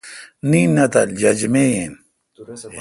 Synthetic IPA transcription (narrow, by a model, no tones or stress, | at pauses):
ninːɐt̪ɐld͡ʑɐd͡ʑmejen